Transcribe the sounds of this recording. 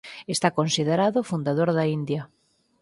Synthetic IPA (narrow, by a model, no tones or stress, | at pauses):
est̪akonsiðeɾaðofund̪aðoɾðaind̪ja